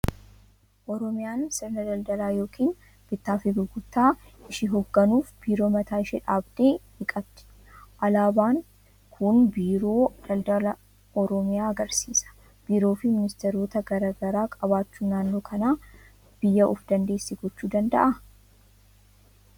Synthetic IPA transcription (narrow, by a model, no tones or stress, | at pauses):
ʔɔɾɔmɪjaːnsɪɾnɐd̪ɐld̪ɐlaːjo̞ːkʰiːn | b̥ɪt̪ːaːfɪɡɪɡʊt̪ːaːʔɪʃɪɦɔɡːɐnuːfb̥iːɾo̞ːmɐt̪ʰaːɪʃɪᶑaːbd̪e̞ːhɪkʼɐbt̪ɪ̥ | ʔɐlaːbaːŋ | kʰʊnbiːɾo̞ːd̪ɐld̪ɐlɐ | ɔɾɔmɪjaːɐɡɐɾsiːsɐ̥ | b̥iːɾo̞ːfɪmɪnɪst̪eɾo̞ːt̪ɐɡɐɾɐɡɐɾaːkʼɐbaːt͡ʃːuːnaːnːoːkʰɐnaː | b̥ɪjːɐʔʊfd̪ɐnd̪e̞ːsːɪɡɔt͡ʃːuːd̪ɐnd̪ɐ̰ʔɐ